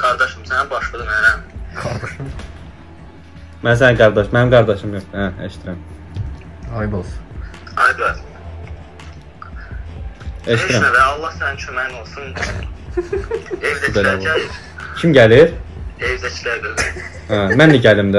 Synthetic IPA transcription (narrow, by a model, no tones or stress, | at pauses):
ɡ̥ɑɾd̪ɑʃɯmsæninbɑʃlˠɯd̪ɯmæɾænɡɾʃ | mæns̬æɡɑɾd̪ɑʃmænimɡɑɾd̪ɑʃɯmjok̪æeʃt̪ʰiɾæm | ɑjbos | ɑ̰jd̪æl | eʃt̪iɾæmvɛɑlˠːɑhsænint͡ʃʰømæinolˠsun | evd̪ɛt͡ʃelɾˠæjiɾ | cʰimɟæliɾevd̪ɛt͡ʃʰlæɾd̪øl | hæmænliɟælimd̪æ